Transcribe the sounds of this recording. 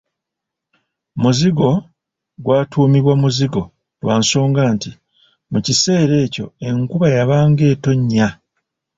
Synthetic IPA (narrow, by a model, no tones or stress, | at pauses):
muziɡo̞ | ɡwaːtuːmiβwamuziɡo̞ | wanso̞ːŋɡaːnti | mucise̞ːɾe̞ːco̞̰e̞ŋkuβajaβaːŋɡe̞ːto̞ɲːa